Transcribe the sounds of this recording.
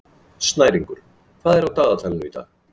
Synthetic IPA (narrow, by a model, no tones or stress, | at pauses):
st̪naːjɾiŋkʏɾ̥ | kʰv̥aːðɛɾawt̪aːðat̪ʰɛlnʏit̪a̰ð